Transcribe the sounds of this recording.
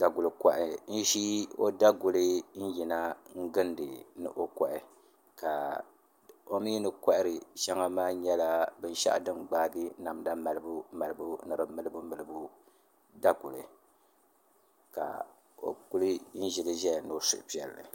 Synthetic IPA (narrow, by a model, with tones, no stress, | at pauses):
da˨ɡu˨lɨ˨ka˨ʔɪ˨n̩˦ʃi˦o̰˦da˦ɡʊ˨lɨ˦n̩˦ji˨na˦ŋ̩˦ɡɨ˦ndɨ˨nɨ̰˨ʔo˦ka˨ʔɪ˨ | ka˨ | o˦mi˦nɨ˦ka˦ʔɪ˦ɾɨ˨ʃa˦ŋa˦maː˦ɲɛ˦la˦bɨ˦n˦ʃa̰˦ʔdɨ˦mɡ͡baː˦bi˦na˨m˨da˦ma˨lɨ˨bu˦ma˨lɨ˨bu˦nɨ˨ɾɨ˨mɨ˦lɨ˦bu˦mɨ˨lɨ˨bu˦ | da˦ɡʊ˨lɨ˨ | ka̰˨ | o̰˨ku˦lɨ˦n̩˦ʒɪ˨lɨ˦ʒɛ˦ja˨no˨˦sʊ̰˨ʔpi˦ɛ˨lːɨ̰˨